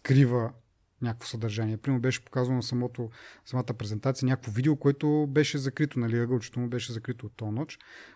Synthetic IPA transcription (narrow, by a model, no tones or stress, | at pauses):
skɾivə | nʲakəkvo̥sɐd̪ɐɾʒaniɛpɾimɛɾbɛʃɛ̥po̥kazvɐnɐsɐmɔt̪osɐmat̪əpɾɛzɛnt̪at̪siənʲakəkfovid̪ɛokoɛt̪ʊbɛʃɛzɐkɾit̪ʊnɐliəɡət͡ʃɛ̥t̪ombɛʃɛzɐkɾit̪oːt̪ːɔnɔt͡ʃ